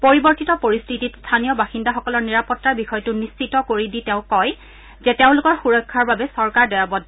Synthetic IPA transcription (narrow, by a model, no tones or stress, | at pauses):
poɹibɔɹtitɔpoɹistʰititstʰanijɔbaxindaxɔkɔlɔɹniɹapɔtːɹaɹbixɔjtʊnist͡ʃitɔkoɹiditeʊ̃kɔj | zɛteʊ̃lʊkɔɹxuɹɔkʰːaɹbabɛsɔɹkaɹdɔjabɔd